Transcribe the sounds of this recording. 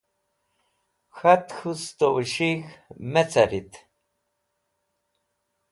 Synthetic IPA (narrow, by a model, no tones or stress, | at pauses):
xat̪xust̪ʼoʔʃixmɛt͡sʰaɾit̪ʰ